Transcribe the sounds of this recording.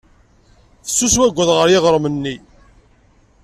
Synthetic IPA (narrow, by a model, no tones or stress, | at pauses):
θə̥sːuswæɡʷːəðʁəɾjɪʁəɾˤmənːi